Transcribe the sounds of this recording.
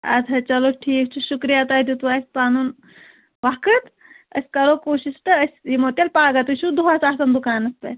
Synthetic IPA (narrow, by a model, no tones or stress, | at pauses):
ɐ̰t̪ʰɐt͡ʃɐloʈʰiːkt͡ʃʰuʃukɾijat̪aːd̪ut̪ʋaːsʲpaːnun | ʋaːkət̪ | ɐ̰sʲkɐɾoːkoːʃisʈɐəsʲimoːt̪ʲelpaːɡɐt̪uʃud̪uɦaːsaːsɐnd̪ukaːnɐsp̪ɐ̰t